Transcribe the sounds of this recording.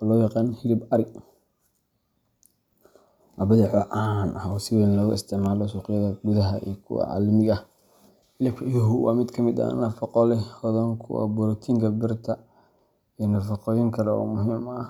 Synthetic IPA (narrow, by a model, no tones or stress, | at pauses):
ɔːlɔːjɑqɑːnhɪlɪbɐɾɪɡ | ʔɐbɐðɪħɔʔanʔɐhɔːsɪwɛːnlɔɣʊɪst̪ʰɪʕmaːlɔsuːqɪjɐðɐɡʊðɐɦɐ̰ʔḭːkʰʊ̰wɑ̰ʕɑ̰ːlmɪɣɐ | hɪlɪbʰjʊɦʊwɑ̰ːmɪd̪kʰɐmɪd̪ɐ̰nɐfɑqɔlɛhɔðɔŋkʰʊ̰wɑ̰bʊɾt̪ʰiŋkʰɐbɪrt̪ʰɐ | inɐfɑqɔːjɪŋkʰɐlɛɔ̰ːmʊɦiːmɐ